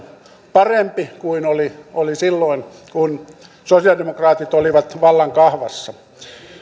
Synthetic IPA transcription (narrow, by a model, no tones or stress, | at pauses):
pɑrempikuinoliolisilːoin | kun | sosiɑldemokrɑːt̪it̪oliʋɑt̪ʋɑlːɑŋkɑhʋɑsːɑ